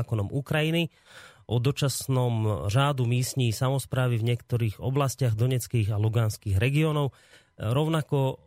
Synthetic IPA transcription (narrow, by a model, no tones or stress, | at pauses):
kɔnɔmukɾajini | ʔɔd̪ɔt͡ʃasnɔmʒaːd̪umiːsɲiːsamɔspɾaːʋivɲɪɛkt̪ɔɾiːɣɔ̰blascaɣd̪ɔɲɛt͡skiːɣaluɡanskiːɣɾɛɡiɔːnɔʊ | ɾɔʊnakɔ